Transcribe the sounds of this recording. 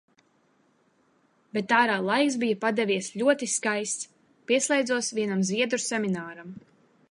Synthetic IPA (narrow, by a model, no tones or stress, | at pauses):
bet̪ːaːɾaːlˠajks̬bijapad̪ɛvʲiɛsʎʲuɔt̪iskajst̪s | piɛslˠɛjd̪zuɔsviɛnamzviɛd̪ɾusɛmʲinaːɾam